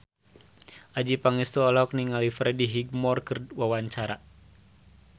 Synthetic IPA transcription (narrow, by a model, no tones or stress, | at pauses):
ʔad͡ʒipaŋist̪uɔlɔk̚niŋalifɾɛdiɦiɡ̚mɔrkɨrwawaɲt͡ʃaɾa